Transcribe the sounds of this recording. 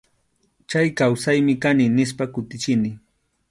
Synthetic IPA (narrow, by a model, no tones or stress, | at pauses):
t͡ʃajkawsajmɪkanɪnɪs̬pakʊt̪ɪt͡ʃɪnɪ